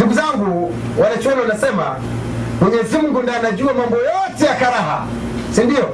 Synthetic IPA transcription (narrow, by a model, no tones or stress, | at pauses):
nduɡuzaŋɡu | walɛt͡ʃɔlɔnasɛma̰ | mɛɲɛzimuŋɡunaanaʄuamambɔjɔtɛjakaɾaɦa̰ | sindijɔ